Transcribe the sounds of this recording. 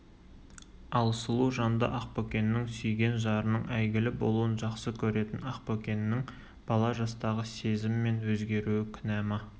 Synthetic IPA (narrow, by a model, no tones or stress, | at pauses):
ɑlˠsəlˠuʒɑnd̪ə̰ʔɑqpokʲe̞nɪːɪŋsʏjɡʲe̞nʒɑɾənəɴæjɡʲɪlɪbo̞̰lˠuwənʒɑqsəkʲʰɵɾe̞t̪ɪnɑqpokʲe̞nɪːɪŋ | b̥ɑlˠɑʒɑst̪ɑʁəse̞zɪmɪme̞nwɵzɡʲe̞ɾuwɪkʲʰʏnæmɪ